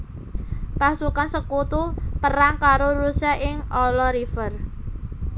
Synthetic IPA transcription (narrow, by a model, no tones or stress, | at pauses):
pasukansəkut̪upəɾaŋkaɾoɾusaʔɪŋʔɔlɔɾifər